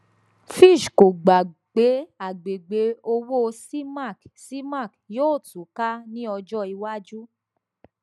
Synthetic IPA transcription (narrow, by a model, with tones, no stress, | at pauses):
fi˦˨ʃko˨ɡ͡ba˨ɡ͡be˨˦a˨ɡ͡be˨ɡ͡be˧o˧wo˦si˦ma˦˨ksi˦ma˦˨kjoː˦˨tu˨˦ka˦nĩ˦ɔ˧d͡ʒɔ˦i˧wa˦d͡ʒu˦